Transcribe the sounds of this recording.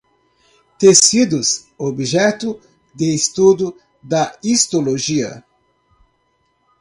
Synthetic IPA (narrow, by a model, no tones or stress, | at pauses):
t̪esid̪ʊs | obiʒɛt̪ʊ | d̪ɪːst̪ud̪ʊ | d̪ɐist̪oloʒiɐ̰